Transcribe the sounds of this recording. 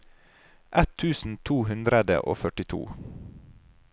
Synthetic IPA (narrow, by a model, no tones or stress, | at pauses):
ʔɛt̪ʰʉːsn̩t̪ʰuːhʉnd̪ɾəd̪ə̰ʔo̰ːfœʈɪt̪ʰṵː